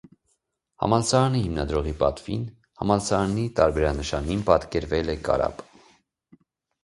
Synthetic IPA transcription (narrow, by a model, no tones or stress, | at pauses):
hɑ̰mɑlsɑɑnihimnɑd̪ɾɔʁipɑt̪vin | hɑmɑlsɑɾɑnit̪ɑɾbɛɾɑnəʃɑninpɑt̪kɛɾvɛlɛkɑ̰ɾɑ̰p